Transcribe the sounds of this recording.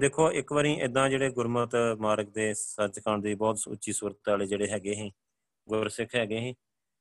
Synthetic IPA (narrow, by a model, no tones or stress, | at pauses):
d̪eːkʰoːʔɪkʋəːɾĩːʔɪd̪ãːd͡ʒeːɽeːɡʊɾmət̪maːɾək̚d̪eːsəd͡ʒkəɳd̪iːbɔːt̪sʊ̰tːʃʰiːsuːɾət̪ːaːleːd͡ʒeːɽeːɦɛːɡeːɦɛ̃ː | ɡʊɾsɪkʰɦɛːɡeːɦẽː